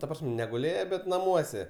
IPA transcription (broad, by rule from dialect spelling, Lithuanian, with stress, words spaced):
tɐ ˈprɐsʲmʲ nʲɛɡʊˈlʲeːjɛ bʲɛt nɐˈmuɔsʲɛ